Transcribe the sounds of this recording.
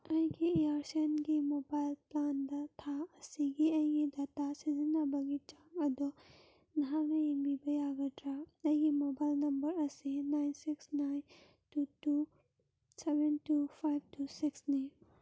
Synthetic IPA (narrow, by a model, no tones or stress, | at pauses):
ɐĩɡieaɾsenɡimobajlpland̪at̪ʰaɐsiɡiɐĩɡid̪at̪asizinabɐɡit͡ʃaŋɐd̪ɔ | nɐɦaɡɐimibɐjaɡɐtɾaɐĩɡimobajlnɐmbɐɾɐsinajnsiksnajn | tutu | sebentupʰajb̚tusiksni